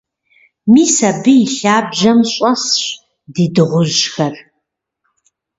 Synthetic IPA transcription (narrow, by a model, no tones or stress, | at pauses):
miːsɐbɨjiɬaːbʒɐmɕʼɐsɕ | diːdɨʁʷʊʑxɐr